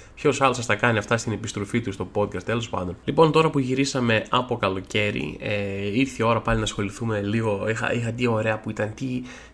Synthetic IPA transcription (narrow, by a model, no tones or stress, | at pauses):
pço̞sɐlo̞sɐst̪ɐkɐniɐft̪ɐst̪ine̞pist̪ɾo̞fit̪ust̪o̞po̞d̪̚kɐst̪e̞lo̞spɐ̰nd̪o̞nlipo̞nt̪o̞ɾɐpuʝiɾisɐme̞ɐpo̞kɐlo̞ce̞ɾḭeiɾθio̞ɾɐpɐlinɐsxo̞liθumeliɣo̞ixɐ̰ixɐt̪io̞ɾe̞ɐpuit̪ɐnt̪i